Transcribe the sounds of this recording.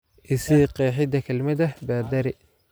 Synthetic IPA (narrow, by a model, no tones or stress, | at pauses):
ʔɪsiqɛːħɪd̪ɐkʰɐlmɐd̪ɐbaːd̪ɐɾɪ